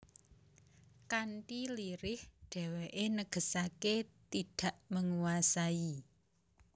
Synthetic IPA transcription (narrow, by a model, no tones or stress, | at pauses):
kanʈiliɾɪhɖ̥ɛ̤weʔenəɡ̥ə̤saket̪iɖ̥a̤ʔməŋuwasai